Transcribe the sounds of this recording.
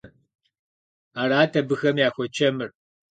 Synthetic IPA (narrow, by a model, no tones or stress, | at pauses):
aːɾaːtʰɐbɨxɐmjaːxʷɔt͡ʃʰɐmɨr